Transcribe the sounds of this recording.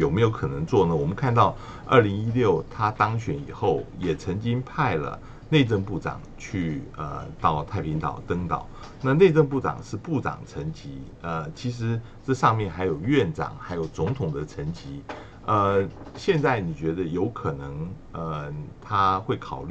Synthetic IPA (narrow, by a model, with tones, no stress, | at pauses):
jo˨˩ʊme˧˥ɪjo˧˥ʊkʰɤ˨˩nə˧˥ŋt͡swɔ˥˩nə˩wɔ˨˩mə˦kʰa˥˧nt̪ɑ˥˧ʊ | ə̰˞˥˩li˧˥ŋi˥ljo˥˩ʊt̪ʰa˥t̪ɑ˥ŋɕɥɛ˧˥nḭ˨˩xo˥˩ʊjɛ˨˩t͡sʰə˧˥ŋt͡ɕi˥ŋpʰa˥˩ɪlə̰˩ | ne˥˧ɪʈ͡ʂə˥˧ŋpu˥˩ʈ͡ʂɑ̰˨˩˦ŋt͡ɕʰy˥˧ə̰˩t̪ɑ˥˩ʊt̪ʰa˥˩ɪpʰi˧˥ŋt̪ɑ̰˨˩ʊt̪ə˥ŋt̪ɑ̰˨˩˦ʊ | na˥˧ne˥˧ɪʈ͡ʂə˥˧ŋpu˥˩ʈ͡ʂɑ̰˨˩ŋʂɻ̩˥˧pu˥˩ʈ͡ʂɑ̰˨˩ŋʈ͡ʂʰə˧˥nt͡ɕi˧˥ | ə˧t͡ɕʰi˧˥ʂ̬ɻ̩˧˥ | ʈ͡ʂɤ˥˧ʂɑ˥˧ŋmjɛ˥˩nxa˧˥ɪjo˨˩ʊɥɛ˥˩nʈ͡ʂɑ̰˨˩˦ŋxa˧˥ɪjo˨˩ʊt͡sʊ˧˥ŋt̪ʰʊ˨˩ŋd̪ə˦ʈ͡ʂʰə˧˥nt͡ɕi˧˥˦ | ə˧ | ɕjɛ˥˧nt͡sa˥˩ɪni˨˩t͡ɕɥɛ˧˥d̪ə˧jo˧˥ʊkʰɤ˨˩nɤ˧˥ŋ | ə˧t̪ʰa˥xwe˥˩ɪkʰɑ˨˩ʊly˥˩